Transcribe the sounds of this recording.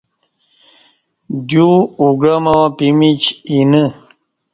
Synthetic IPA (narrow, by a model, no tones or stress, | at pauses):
ɡuuɡɾamawapimit͡ɕinə